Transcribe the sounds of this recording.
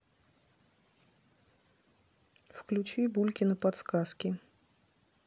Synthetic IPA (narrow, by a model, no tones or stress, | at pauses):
fklʲʉt͡ɕibulʲkʲɪnəpɐt̪skaskʲɪ